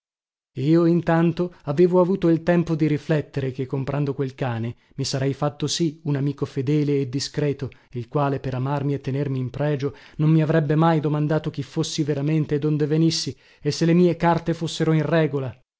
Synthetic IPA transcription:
iːoint̪ant̪oaveːvoavuːt̪oilt̪ɛmpod̪iɾiflɛt̪ːeɾekekːompɾʔand̪okwelkaːne | misaɾɛjfat̪ːosiunamiːkofed̪ɛːleːd̪ːiskɾɛːt̪o | ilkwaːlepeɾamarmiet̪ːenermiːmpɾɛːd͡ʒonommiavɾɛbːemajd̪omand̪aːt̪ok̟ifːosːiveɾament̪eːd̪ond̪evenisːi | esːelːemiːekart̪efosːeɾoinrɛːɡola

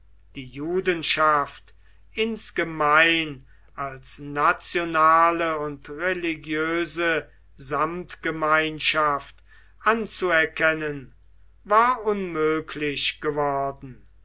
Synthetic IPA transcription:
d̥iːjuːdənʃaft | ɪnsɡ̥əmaɪn | alsnat͡sjonaːləʊntʁeliɡjøːzə | zamtɡ̥əmaɪnʃaft | ʔant͡suɛɐkɛnən | vaːɐʊnmøːkʰlɪɕɡ̥əvɔɐdn̩

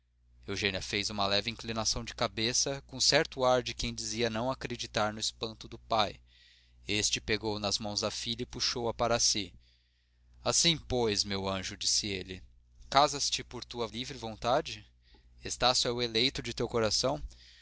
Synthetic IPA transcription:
ewʒẽniɐfejzũmɐlɛvɪĩŋklinasɐ̃w̃d͡ʒɪkabesɐkõsɛɾt̪ʊaɾd͡ʒɪkẽj̃d͡ʒiziɐnɐ̃w̃akɾed͡ʒit̪aɾnʊɪspɐ̃nt̪ʊd̪ʊpaj | est͡ʃɪpeɡownɐzmɐ̃w̃zd̪ɐfiʎɐɪpuʃowɐpaɾɐsi | asĩpojzmewɐ̃ʒʊd͡ʒisɪḛlɪ | kazɐst͡ʃɪpoɾt̪uɐlivɾɪvõnt̪ad͡ʒɪ | est̪asjʊɛʊelejt̪ʊd͡ʒɪt̪ewkoɾasɐ̃w̃

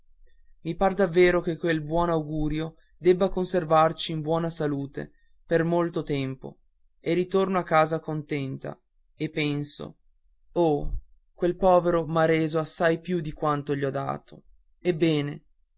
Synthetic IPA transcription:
mipard̪avːeːɾokekːwelbwɔːnawɡuːɾjo | d̪ɛbːakonservart͡ʃiːmbwɔːnasaluːt̪ḛ | permolt̪ot̪ɛmpo̰ | erit̪ornoakːaːzakont̪ɛnt̪a̰ | epːɛnso̰ | o | kwelpɔːveɾomaɾeːzoasːajpjud̪ikwant̪oʎiɔd̪a̰ːt̪ʰo | ebːɛːne

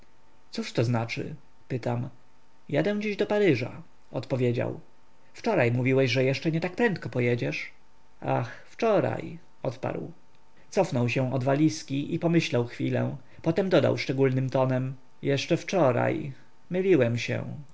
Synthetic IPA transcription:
t̪suʂt̪ɔznat͡ʂɘ̰ | pɘt̪am | jad̪ɛw̃d͡ʑiʑd̪ɔpaɾɘʐa̰ | ɔt̪pɔvʲjed͡ʑa̰w | ft͡ʂɔɾajmuvʲiwɛʑʐɛjɛʂt͡ʂɛɲɛt̪ak̚pɾɛnt̪̚kɔpɔjɛd͡ʑɛʂ | a̰x | ft͡ʂɔɾa̰j | ɔt̪pa̰ɾw | t̪sɔfnɔwɕɛ̃ɔd̪valʲiskʲiʔipɔmɘɕlawxfʲilɛ̰ | pɔt̪ɛmd̪ɔd̪a̰wʂt͡ʂɛɡulnɘmt̪ɔnɛm | jɛʂt͡ʂɛft͡ʂɔɾa̰j | mɘlʲiwɛmɕɛ̰̃

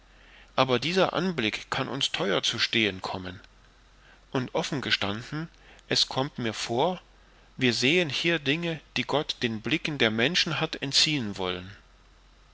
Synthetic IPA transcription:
ʔaːbɐdiːzɐʔa̰nblɪkʰanʔʊ̰nstʰɔʏɐt͡suʃteːənkʰɔmən | ʔʊntʔɔfn̩ɡəʃtand̥n̩ | ʔɛskʰɔmtmiːɐfoːɐ | viːɐzeːənhiːɐdɪŋəd̥iːɡɔtd̥eːnblɪkn̩deːɐmɛnʃn̩ɦatɛntt͡siːənvɔ̰lən

